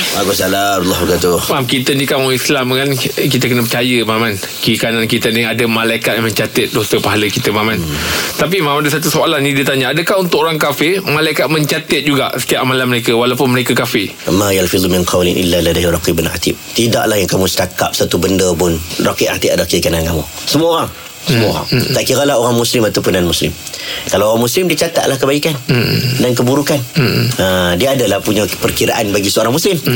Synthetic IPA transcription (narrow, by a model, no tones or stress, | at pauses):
ʔaɡɔsalaɾlːɔhbɡat̪ʊmamkit̪ənikaaislamŋankit̪əkənəp̬ət͡ʃajəmaman | kəikanankit̪əniadəmãlaikat̪̚jamə̃ɲt͡ʃat̪ət̪̚dosəpaɦaləkit̪əmamant̪ap̬imãmadəsat̪usoalanːĩdiət̪aɲəadəkahunt̪ʊkoɾaŋkafɪmãlaikat̪̚məɲt͡ʃat̪ət̪̚d͡ʒuɡaʔsə̥t̪iaʔmalanməɾekəwalapʊnməɾekakafɪmajalfid̪umɪnqʰɑwlɪnʔḭlːaladaɦirɑqibʊna̰t̪ip̚t̪idaʔlahjaŋkamũst̪aka̰p̚sat̪ubəndəpʊnrɑqiʔʔa̰t̪ipadakəikanankamṵ | səmuaoɾaŋ | səmua̰a̰ŋt̪aʔkiɾalaɦoɾaŋmuslɪmat̪apundanmuslɪmkalawoɣaŋmuslɪmdit͡ʃat̪a̰t̪̚lahkəbaikandank̬əbuɾukanədiaːdalahpuɲapərkiɾa̰ʔanbaɡisəoɾaŋmuslɪm